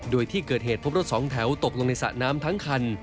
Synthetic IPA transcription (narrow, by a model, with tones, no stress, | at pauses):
doː˧jt̪ʰiː˥˩kɤː˨˩t̪̚ɦeː˨˩t̪̚ʰo˦˥pɾo˥t̪̚sɔː˩˦ŋt̪ʰɛ˩˦wt̪o˨˩k̚lo˧ŋna˧jsa̰˨˩naː˦˥mt̪ʰa˦˥ŋkʰa˧n